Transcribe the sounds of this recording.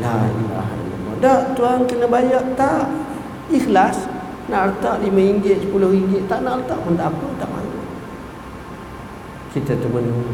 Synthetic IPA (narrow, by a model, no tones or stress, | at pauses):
laia̰ɦa̰ləma̰daʔt̪uaŋkənəbajaʔt̪aʔ | ixlas | naʔrət̪aʔlimãiɲd͡ʒɪʔspulʊhiŋd͡ʒɪʔt̪aʔnaʔrət̪aʔmunt̪aʔapət̪aʔma̰ɲuʔ | kit̪ət̪ubənu